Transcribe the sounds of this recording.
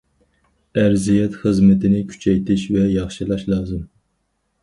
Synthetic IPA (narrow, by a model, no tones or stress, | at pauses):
æɾzijɛt̪χəzmɨt̪ɪnɪkʲʰy̥t͡ʃʰɛjt̪ʰɪʃvɛjɑχʃɨlˠɑʃlˠɑːzɨm